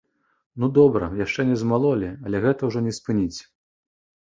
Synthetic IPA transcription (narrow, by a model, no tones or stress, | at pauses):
nud̪ɔbɾɐ̰jaʂt͡ʂɛnʲɛzmalˠɔlʲiɐlʲɛɣɛt̪ɐwʐɔnʲɛspɨnʲit͡sʲ